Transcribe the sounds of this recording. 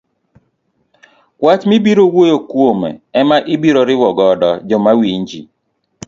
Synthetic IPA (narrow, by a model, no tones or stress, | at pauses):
kwat͡ʃmɪbiɾowojokwomɛ̰ɛmaʔɪbiɾoɾɪwɔɡɔdɔd͡ʒɔmawiɲd͡ʒḭ